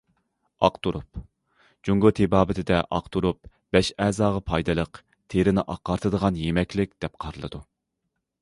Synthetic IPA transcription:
ɑ̰qt̪ʰuɾup̚ | d͡ʒuŋɡʊt̪ʰebɑːbɪt̪ʰɪd̪ɛʔɑqt̪ʰuɾup̚ | b̥ɛʃɛːzɑːʁɑpʰɑjd̪ɨlˠəq | t̪ʰeɾɪnɪʔɑqːɑɾt̪ʰɨd̪əʁɑnjemɛkʲlɪk̚ʲd̪̥ɛp̚qʰɑɾɨlˠɨ̰d̪u

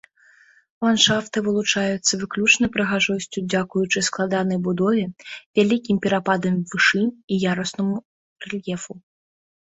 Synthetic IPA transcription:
lˠanʂaft̪ɨvɨlˠut͡ʂajut̪sːɐvɨklʲut͡ʂnɐjpɾɐɣaʐɔsʲt͡sʲud͡zʲakujut͡ʂɨsklˠad̪anɐjbud̪ɔvʲɛvʲalʲikʲimpʲɛɾapad̪ɐmvɨʂɨijaɾɐsnɐmu | rɛlʲjɛfu

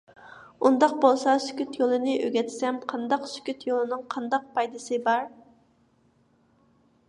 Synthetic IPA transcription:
und̪ɑq̚bolˠsɑsy̥kʲyt̪jolˠɨnɨʔøɡʲɛt̪ʰɪ̥sɛmqʰɑnd̪ɑqsy̥kʲyt̪jolˠɨnɨŋqʰɑnd̪ɑq̚pʰɑjd̪ɨsɨbɑɾ

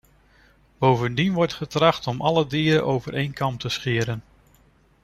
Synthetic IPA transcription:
b̥owvəndinʋɔɹtχətrɑχtɔmʔɑlədiːɾəʔowvəɹejnkɑmptəsχɪːɾən

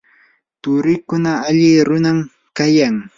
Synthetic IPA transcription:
t̪ʊɾɪkʊnaːʎɪɾʊnam | kajaŋ

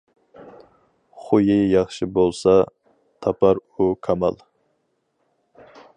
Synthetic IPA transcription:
χʊjɪjɑχʃɪbolˠsɑ | t̪ʰɑpʰɑɾukʰɑmɑ̰lˠ

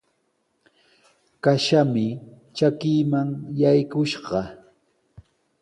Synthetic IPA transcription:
kaʃamɪ | t͡ʃakɪːmaŋjajkʊʃɢɑ

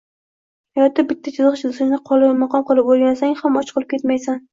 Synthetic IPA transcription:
ajɒt̪ɪbɪt̪ʰːat͡ʃʰɪzʁɨʃɪzsɨznɪqʰɒlˠɪmɑqɒmqɨlˠɪpolˠɡʲanasaŋʲhamɒt͡ʃʰqʰɨlˠɪp̚kʲet̪majsan

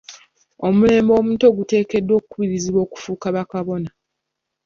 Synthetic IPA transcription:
o̞mule̞ːmbo̞ːmuːnto̞ɡute̞ːke̞dːwo̞kukuβiɾiziβo̞ːku̥fuːkaβakaβo̞na

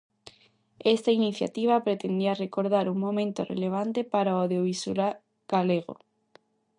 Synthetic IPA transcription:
est̪ainiθja̰t̪iβ̞apɾet̪end̪iarekoɾð̞aɾuŋmõmẽnt̪orḛleβ̞ant̪epaɾaoðjoβisula | ɡ̥aleɣo̰

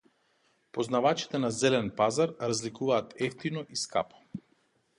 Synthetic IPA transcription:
pɔznavat͡ʃi̥t̪ɛnazɛlɛnpazaɾɾazlikuvaːt̪ɛft̪inɔʔiska̰pɔ̥

